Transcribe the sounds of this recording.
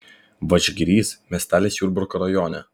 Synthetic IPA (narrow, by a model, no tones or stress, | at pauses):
ʋɐt͡ʃʲɡʲɾʲiːsmʲɛst̪aːlʲeːsʲjuːɾbʊɾkɔɾɐjɔːnʲɛ̰